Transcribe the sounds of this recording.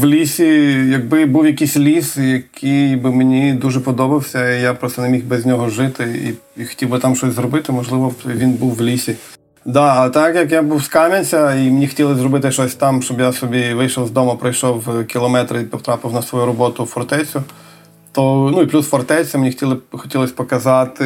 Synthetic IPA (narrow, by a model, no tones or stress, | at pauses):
ʋlʲisʲijɐɡ̚bɪbuwjɐkʲisʲlʲisjɐkʰijjjbɪmenʲid̪uʒɛpɔd̪ɔbɐwsʲɐijapɾɔst̪ɔnemʲixbɛzʲnʲɔɦɔʒɪt̪ɪḭixɔ̥tʲiwbɪt̪ɑmt͡ʃɔsʲzɾɔbɪt̪ɪmɔʒlˠɪʋɔʋʲinbuwʋlʲisʲi | d̪ɑːt̪ɑkjɐkjabuwskɑmʲɐnʲsʲɐimenʲixɔ̥tʲilˠɪzɾɔbɪt̪ɪʃt͡ʃɔsʲt̪ɑmʃt͡ʃɔbjasɔbʲiʋɪjʃɔwzd̪ɔmɐpɾɐjʃɔwkʲilˠɔmɛt̪ɾɪipɔwt̪ɾɑpɪwnɐsʋɔjuɾɔbɔt̪ʊfɔrt̪ɛt͡sʲʊ | t̪ɔnuiplʲusfɔrt̪ɛt͡sʲɐmenʲixɔ̥tʲilˠɪxɔ̥tʲilˠɔsʲpɔkɐzɑt̪ɪ